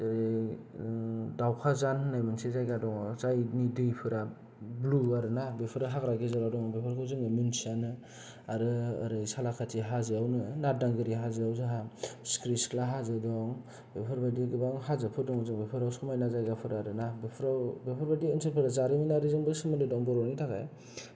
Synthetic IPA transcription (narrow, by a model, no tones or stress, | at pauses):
ɾi | dawkʰazannajmɯnsezajɡadɔŋzajnidɯjpʰɯɾa | bluaɾɯnabepʰɯɾaɦakɾaɡezaɾadɔŋbepʰɯɾkʰɯwzɯŋɯmɯnsanɯ | aɾɯa̰ɾɯsalakʰatʰiɦazɯawnɯnadaŋɡɯɾiɦazɯawzɯɦaskɾisklaɦazɯdɔŋ | bepʰɯɾbadiɡɯbaŋɦazɯpʰɯɾdɔŋzɯŋbepʰɯɾawsɔmajnazajɡapʰɯɾaɾɯnabepʰɾawbepʰɯɾbadiɯnsepʰɯɾazaɾiminaɾizɯŋbɯsɯmɯndɯdɔŋbɔɾɔnitʰaka̰j